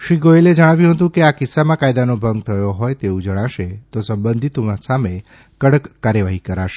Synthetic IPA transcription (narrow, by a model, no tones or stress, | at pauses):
ʃɾiɡoeled͡ʒəɽ̃aʋjũɦət̪ũkeakɪsːamãkajd̪anobʱə̃ŋɡ̚t̪ʰəjoɦojt̪eũd͡ʒəɽ̃aʃet̪osəmbənd̪ʱit̪omãsame | kəɽəkːaɾjəʋaɦikəɾaʃe